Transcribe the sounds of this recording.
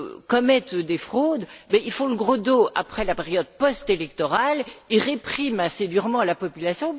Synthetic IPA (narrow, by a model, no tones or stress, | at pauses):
kɔmɛt̪d̪efχod̪bɛilfɔ̃ləɡʁod̪oʔa̰pχɛlapeʁjɔd̪̚pɔst̪elɛk̚t̪ɔʁalilʁepχimased̪yʁmɑ̃lapɔpylasjɔ̃